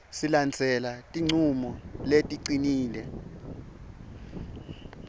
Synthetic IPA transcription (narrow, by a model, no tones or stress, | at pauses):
siland͡zʱɛlatʼiŋ͡ǀʱumɔletʼiǀiniːlɛ